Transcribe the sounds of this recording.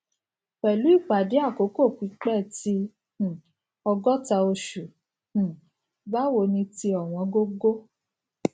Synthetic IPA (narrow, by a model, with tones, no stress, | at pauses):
k͡pɛ˨lu˨˦i˦˨k͡pa˨di˨˦a˦˨ko˨˦ko˦˨kʷi˨˦k͡pɛ˦˨tĩ˧˦˨ | ɔ˧ɡɔ˦ta˧o˧ʃu˨ | h̩˨ | ba˦wo˧˨nĩ˧ti˧ɔ˨w̃ɔ̃˨˧˦ɡo˦ɡo˦